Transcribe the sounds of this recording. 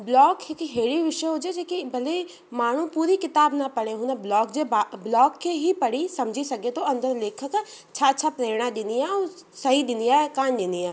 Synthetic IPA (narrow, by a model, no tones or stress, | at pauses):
blɔːkkiɦeːɽiʋɪʃəɦoːd͡ʒed͡ʒekibɐle | maːɳ̤ũpuːɾikɪt̪aːbnɐpɐɽeɦunablɔːkd͡ʒebablɔːkːeɦipɐɽisɐmd͡ʒʱisɐɡet̪oɐ̃nd̪əɾleːkʰək | tːʃʰaɐtːʃʰapɾeːɽ̃ad̪ɪniɛɔːɾ | sɐɦid̪ɪniakaːnd̪eːnd̪iɦɛː